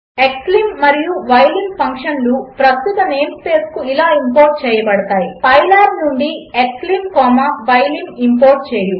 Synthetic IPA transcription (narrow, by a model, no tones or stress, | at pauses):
eklimːɐɾijuʋɐjlimɡpʰɐŋkʂɐnlupɾɐst̪ut̪ɐneːmspe̞ːskuilaːimpoːɾʈ̚t͡ʃɛːjɐbɐɽɐt̪aːjipɐjlaːɾnuɳɖieklimkɔːmɐʋɐjlimimpoːɾʈ̚t͡ʃeːju